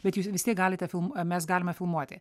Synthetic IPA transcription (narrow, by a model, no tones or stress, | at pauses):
bʲɛt̪juːsʋʲɪst̪ʲiɛkɡɑːlʲɪt̪ʲɛfʲɪlˠmmʲɛs̬ɡɑːlʲɪmɐfʲɪlˠmuɔt̪ʲɪ